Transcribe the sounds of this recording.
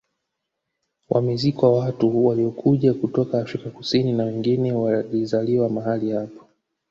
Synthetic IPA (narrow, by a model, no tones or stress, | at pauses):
wʔa̰mɛzikɔwawatuwaliɔkʰuʄakutɔkaːfɾikakusininawɛŋɡinɛwalizaliwamaɦalihapḁ